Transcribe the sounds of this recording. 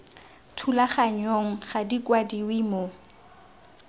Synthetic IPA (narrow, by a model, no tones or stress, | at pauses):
tʰulaχaɲoŋ̩χadikwadiwimo